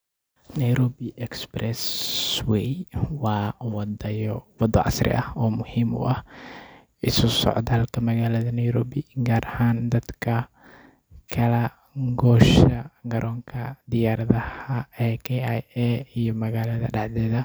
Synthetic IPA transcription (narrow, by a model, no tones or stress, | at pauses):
nɐjɾɔːbɪʔɛksprɛswɛjwɑːwd̪ɐjɔwɑd̪ɔʕɑ̰srɪ̰ʔɐhɔːmʊhiːmʊ̰ʔɐh | ɪsʊsɔ̰ʕd̪ɐlkʰɐmɐɣaːlɐðɐnɛjɾɔːbɪɡaːɾʔɐhaːnd̪ɐd̪kʰɐ | kʰɐlɐ | ɡɔːʃɐɡɐɾʔɔːŋkʰɐd̪ɪjaːɾɐðɐhɐɛːkʰɛajɛijɔmɐɣaːlɐðɐ̰ɖɑħd̪ɛːðɐ